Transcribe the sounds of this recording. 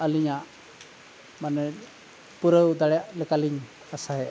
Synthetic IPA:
əliɲaʔ | manɛ | puɾəwd̪aɽɛjaʔlɛkaliɲ | asaɦɛ

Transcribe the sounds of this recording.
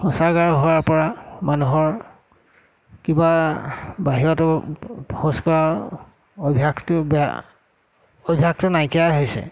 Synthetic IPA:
hɔsaɡaɹɦowaɹpɔɹamanuɦɔɹ | kiba | baɦiɹɔtɔ | hoskɔɹa | obʱiaktb | ojbʱak̚tʊnajkijaɦojsɛ̰

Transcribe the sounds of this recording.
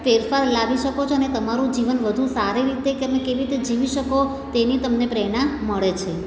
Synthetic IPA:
feɾfaɾlaʋiʃəkot͡ʃʰoənet̪əmaɾũd͡ʒiʋənʋəd̪ʱũsaɾiɾit̪ekeəmẽkeʋiɾit̪ed͡ʒiʋiʃəko | t̪enit̪əmnepɾɛɽ̃ãməɭet͡ʃʰe

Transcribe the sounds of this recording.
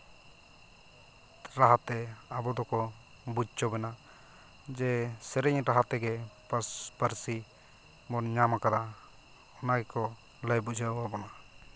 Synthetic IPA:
ɾaɦat̪ɛabɔd̪ɔkɔ | bud͡ʒt͡ʃɔbɛna | d͡ʒɛsɛɾɛɲɾaɦat̪ɛɡɛpəspəɾsi | mɔnɲamakad̪a | ɔnaɡɛkɔ | ləjbud͡ʒawabɔna

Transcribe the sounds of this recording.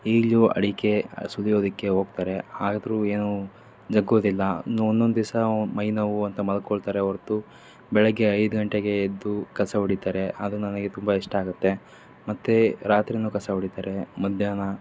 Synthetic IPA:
iːɡɭuɐ̰ɽike̞sulijoːd̪ɐkːe̞ɦo̞ːɡ̚t̪aːɾe̞aːɡd̪ɾue̞ːnu | d͡ʒɐɡːoːd̪ilːɐnuonːond̪ud̪isɐmɐjnɐʋuɐnt̪ɐmɐlkːoɭt̪aːɾeoɾt̪u | bɛɭɐɡːe̞ɐjd̪uɡɐɳʈeɡe̞ːd̪ːukɐsɐɦuɽit̪aːɾeʔɐd̪unɐnɐɡet̪umbɐiʂʈɐaːɡut̪ːe̞ | mɐt̪ːeɾaːt̪ɾinuːkɐsɐɦuɽit̪aːɾe̞mɐd̪ʱjaːnɐ

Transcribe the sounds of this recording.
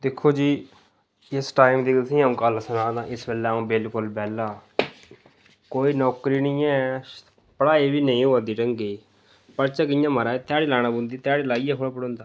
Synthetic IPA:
d̪ɪkʰːoːd͡ʒiː | ɪsʈaːɪmd̪iːkəlsĩːãːkəlsənãːd̪ãːʔɪsbelːũːbɪlkʊlbɛːlaː | koːiːnɔːkɾiːnĩːɛː | pəɽaːeːbiːnəĩːɦoːad̪iːʈəŋɡeː | pəɾt͡ʃaːkɪjãːməɾaːet̪jaːɽiːlaːñaːbʊ̃nd̪iːt̪aːɽiːlaːiːɛːkʰoɽaːpəɽõːnd̪aː

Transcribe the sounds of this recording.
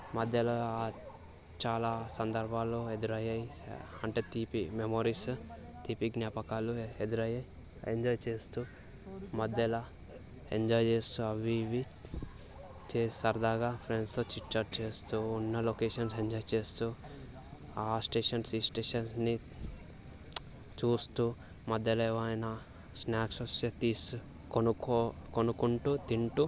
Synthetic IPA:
mɐd̪jɐlaa | t͡ʃaːlasɐnd̪ɐɾbʱaːloed̪ɾajɐjhɐɳʈet̪ipimemoːɾis | t̪ipiknjapɐkalued̪ɾajɐ | ḛɲd͡ʒɔːjt͡ʃest̪u | mɐd̪ɐla | eɲd͡ʒɔːjd͡ʒest̪uɐʋiʋi | t͡ʃeːsɐɾd̪aːɡapʰɾensot͡ʃiʈt͡ʃɐɾʈ̚t͡ʃeːst̪uːnːɐlokeːʃɐnseɲd͡ʒɔːjt͡ʃeːst̪u | aːsʈeːʂɐnsiːsʈeːʃɐnsni | t͡ʃuːst̪u | mɐd̪jɐlɐeʋɐajnɐ | snaːksoset̪iːs | knuokonukuɳʈut̪iɳʈu

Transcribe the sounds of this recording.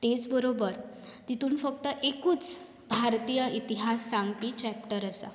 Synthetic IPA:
t̪et͡sbəɾobəɾ | t̪it̪uːnfək̚t̪əʔekuːt͡s | bʱaɾt̪ijəʔit̪iɦasːaŋɡpiːt͡ɕæp̚ʈəɾəsa̰

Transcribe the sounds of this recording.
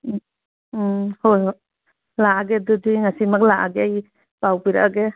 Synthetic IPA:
hoj | laaɡedudiŋasimak̚laʔaɡeaj | bawbiɾaʔaɡe

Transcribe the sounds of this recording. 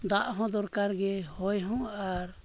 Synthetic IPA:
d̪aʔɦɔ̃d̪ɔɾkaɾɡɛhɔjɦɔ̃aɾ

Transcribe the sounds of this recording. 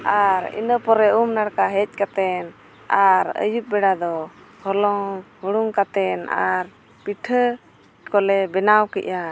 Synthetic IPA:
aɾḭnəpɔɾɛʔumnaɽkaɦɛc̚ˀkat̪ɛn | aɾə̰jup̚bɛɽad̪ɔ | hɔlɔŋhuɽuŋkat̪ɛna̰ɾ | piʈʰə | kɔlɛbɛnawkɛʔa

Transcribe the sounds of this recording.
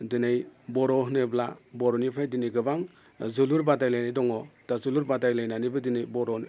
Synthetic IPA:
dɯnajbɔɾɔɦnɯblabɔɾɔnipʰajdinijɡɯbaŋ | zuluɾbadajlajnajdɔŋɔd̥azuluɾbadajlajnanibɯdinɯjbɔɾɔn

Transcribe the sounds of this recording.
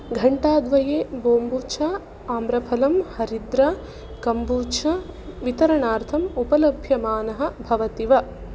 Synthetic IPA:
ɡʱɐɳʈaːd̪ʋɐjeːboːmbuːt͡ʃʰa | aːmbɾɐpʰɐlɐmhɐɾid̪ɾɐ | kɐmbuːt͡ʃʰɐʋit̪ɐɾɐɳaːɾt̪ʰɐmupɐlɐbʱjɐmaːnɐɦɐ̆bʱɐʋɐt̪iʋɐ

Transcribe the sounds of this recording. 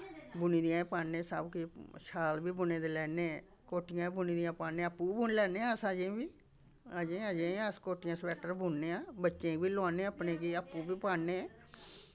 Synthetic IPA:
bʊniːd̪ijãːpaːẽːsəbkɪʃʰaːlbiːbʊneːd̪eːlɛːneː | koːʈɪjãːbʊniːd̪ijãːpaːnːeːəpːũːbuːnlɛːneːãːsãːd͡ʒẽːbiː | d͡ʒẽːəd͡ʒẽːaskoːʈɪjãːsʋɛːʈəɾbuːnneːãːbətːʃẽːbiːloaːneːəpneːɡiːəpːũːbiːpaːneː

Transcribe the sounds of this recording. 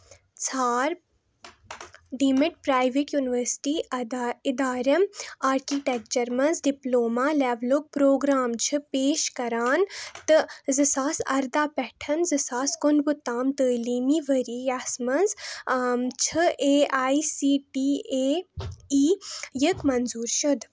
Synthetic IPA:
t͡sʰaːɾ | ɖiːmɪʈ̚pɾaːjʋeʈjuːniʋəɾsʈiːɪd̪aːɾɐmaːɾkiːʈek̚t͡ʃɐɾmɐnzɖiploːmaːlɛːʋlok̚pɾoːɡɾaːmt͡ʃʰɨpeːʃkɐɾaːnt̪ɨzɨsaːsɐ̰ɾd̪aːpɛʈʰɐnzɨsaːskʊnɡʊt̪ːaːmt̪əːliːmiːʋəɾijaːsmɐnz | t͡ʃʰɨʔeːaːisiːʈiːeːiːjəkmɐnzuːɾʃud̪

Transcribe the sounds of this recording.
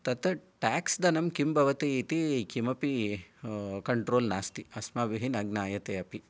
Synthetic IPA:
t̪ɐt̪ɐʈaːksd̪ɐnɐmkimbʱɐʋɐt̪iːt̪ikimɐpi | kɐɳʈɾoːlnaːst̪iɐsmaːʋiɦinɐɡnaːjɐt̪eːɐpi

